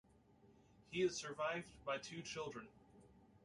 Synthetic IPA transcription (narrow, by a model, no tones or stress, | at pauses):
hiɨz̥sə˞vaɪvbaɪtʰʉt͡ʃʰɪlˠdɹɨ̃n